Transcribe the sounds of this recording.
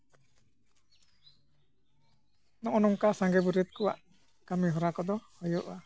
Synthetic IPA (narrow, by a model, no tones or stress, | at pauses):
nɔʔɔnɔŋkasaŋɡɛbuɾɛt̪̚kɔwa̰ʔ | kamiɦɔɾakɔd̪ɔhɔjɔʔa